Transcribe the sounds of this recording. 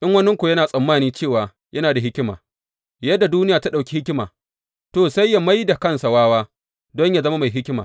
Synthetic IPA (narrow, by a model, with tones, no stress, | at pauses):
ʔɪ˦ŋwɐ˦nɪ˦ŋkʷu˨jɐ˦naː˨sʼɐ˨mːaː˦niː˦t͡ʃeː˦˨waː˨ | jɐ˦naː˨da˨ɦɪ˦kʲɪ˦ma̰ː˨ | jɐ˦dːa˨duː˦nɪ˦jaː˨ta˦ɗa˨wkʲi˦hɪ˦kʲɪ˦ma̰ː˨ | toː˨sa˦jːa˨ma˦jda˨kɐ˦nsa˨waː˦waː˦ | dɔ˦ɲjaː˨zɐ˦ma˦ma˨jɦɪ˦kʲma̰ː˨